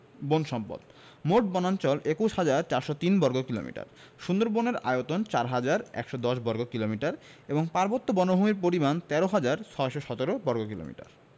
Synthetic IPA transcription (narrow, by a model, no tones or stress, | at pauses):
bonʃɔmpo̰d̪ | moʈ̚bɔnant͡ɕɔlʔekuʃhad͡ʑaɾt͡ɕaɾʃot̪inbɔɾɡokilo̰mḭʈa̰ɾ | ʃund̪oɾboneɾa̰eot̪ont͡ɕaɾɦad͡ʑaɾɛ̰kʃɔd̪ɔʃbɔɾɡokilomiʈaɾeboŋpaɾbot̪ːobɔnobʱumiɾpoɾimant̪ɛɾoɦad͡ʑaɾt͡ɕʰɔeʃoʃɔt̪oɾobɔɾɡokilo̰mḭʈa̰ɾ